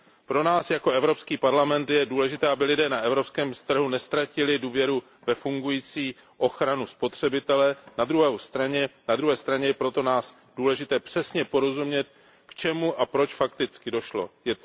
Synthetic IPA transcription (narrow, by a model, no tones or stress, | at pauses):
pɾo̞naːsjako̞ʔɛvɾo̞pskiːpaɾlamɛnt̪jɛduːlɛʒɪt̪ɛːabɪlɪdɛːnaʔɛvɾo̞pskɛːmst̪r̩ɦunɛst̪ɾacɪlɪduːvjɛɾu | vɛfuŋɡujiːt͡siː | ʔo̞xɾanuspo̞t̪r̝̥ɛbɪt̪ɛlɛnad̪ɾuɦɛwst̪ɾaɲɛnad̪ɾuɦɛːst̪ɾaɲɛjɛpɾo̞t̪o̞naːs | duːlɛʒɪt̪ɛːpr̝̥ɛsɲɛpo̞ɾo̞zumɲɛt̪̚ | kt͡ʃɛmuʔapɾo̞t͡ʃfakt̪ɪt͡skɪdo̞ʃlo̞̰jɛ